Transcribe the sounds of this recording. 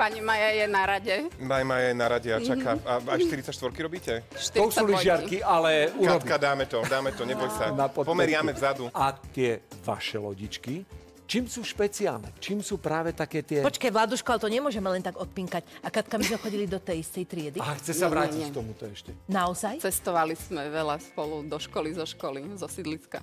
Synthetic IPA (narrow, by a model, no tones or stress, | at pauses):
paɲimajajɛnaɾaɟɛmaɲmaːjajɛnaɾaɟɛat͡ʃakaaakʃt̪iɾit͡sact͡ʃʃt̪ʋɔɾkiɾɔbiːcɛʃt̪ɾɔusuːliʒɪaɾkialɛukaɾɔb̪ikad̪aːmɛt̪ɔd̪aːmɛt̪ɔɲɛbɔjsanapɔpɔmɛɾɪamɛvzad̪uat̪ɪɛʋa̰ʃɛlɔ̰ɟit͡ʃki | t͡ʃiːmsuːʃpɛt͡sia̰lnɛ̰t͡ʃiːmsuːpɾaːʋɛt̪akɛːt̪ɪɛpɔt͡ʃkajʋlad̪uʃkɔalt̪ɔɲɛmʊɔʒɛmɛlɛnt̪aɡɔt̪̚piŋkacakat̪̚kamizmɛxɔɟilid̪ɔt̪ɛjist̪ɛjt̪ɾɪɛd̪iaɦaxt͡sɛsaʋɾaːcickt̪ɔmut̪ɔɛʃcɛnaɔzajt͡sɛst̪ɔʋalizmɛʋɛlaspɔlud̪ɔʃkɔlizɔʃkɔlizɔsid̪lit͡ska̰